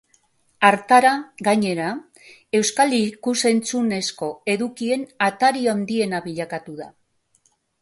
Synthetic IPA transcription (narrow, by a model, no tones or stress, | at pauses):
aɾt̪aɾaɡaɲe̞ɾa | e̞wskalikuse̞nt͡sune̞sko̞e̞ðukie̞nat̪aɾioand̪ie̞naβiʎakat̪uða̰